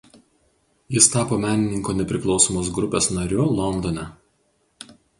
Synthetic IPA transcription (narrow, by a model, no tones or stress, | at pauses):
jɪst̪ɑːpoːmʲæːnʲɪnʲɪŋkoːnʲɛpʲɾʲɪklˠɒʊsoːmoːs̬ɡɾʊpʲeːsnɐɾʲʊlˠɔnd̪ɔnʲɛ